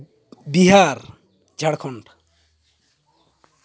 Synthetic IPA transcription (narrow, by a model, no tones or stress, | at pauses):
biɦaɾ | d͡ʒʱaɽkʰɔɳʈ